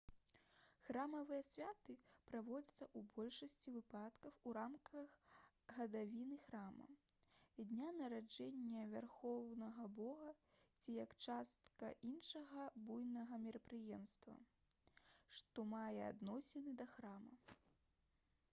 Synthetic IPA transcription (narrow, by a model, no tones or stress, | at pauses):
xɾamɐvɨjɛsʲvʲat̪ɨpɾavɔd͡zʲɐt̪sːɐʔubɔlʲʂɐsʲt͡sʲivɨpat̪kɐwuɾamkɐx | ɣɐd̪avʲinɨxɾamɐ̰ | d̪ʲnʲanɐɾad͡ʐɛnʲːɐvʲarxɔwnɐɣɐbɔɣɐt͡sʲijɐkt͡ʂast̪kɐ̰ʔinʂɐɣɐbujnɐɣɐmʲɛɾɐpɾɨjɛmst̪vɐ̰ | ʂt̪ɔmajɛa̰d̪nɔsʲɛnɨd̪ɐxɾamɐ